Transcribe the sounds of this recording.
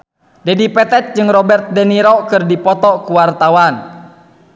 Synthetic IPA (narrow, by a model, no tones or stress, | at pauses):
dɛdipɛt̪ɛt̪̚d͡ʒɨŋrɔbɛrt̪̚dɛniɾɔkɨrdipɔt̪ɔkuwart̪awan